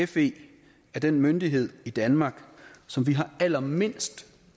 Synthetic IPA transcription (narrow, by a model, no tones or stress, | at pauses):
efe̝̰ː | æɐd̥enmønd̥iɦe̝ð̰ˠid̥ænmɑ̈ːɡ̥sɒ̽mʋiɦɑ̈æl̰ɐme̝n̰sd̥